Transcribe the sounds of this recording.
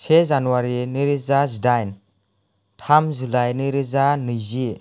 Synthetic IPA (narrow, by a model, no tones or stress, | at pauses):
sezanuwaɾiniɾizazidajn | tʰamzulajniɾizanɯjzi